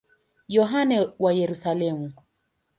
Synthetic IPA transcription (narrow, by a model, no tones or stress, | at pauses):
jɔɦanɛwajɛɾusalɛmu